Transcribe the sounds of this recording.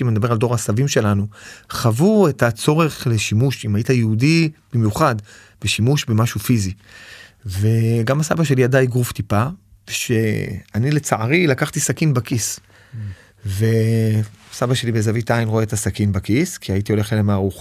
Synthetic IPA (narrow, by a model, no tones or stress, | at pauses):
imanid̪abe̞aldo̞ʁasavimʃe̞lanuχavuetat͡so̞ʁe̞χle̞ʃimuʃimajitajeudib̥imjuχad | b̥eʃimuʃbe̞maʃufizi | ve̞ɡamasabaʃ̬e̞liadajɡʁuftipa | veʃe̞anile̞t͡saʔaʁilakaχt̪isakinbakis | ve̞ | sabaʃe̞libezavitainʁoe̞et̪asakinbakiskiaitio̞leχelemaːʁuχ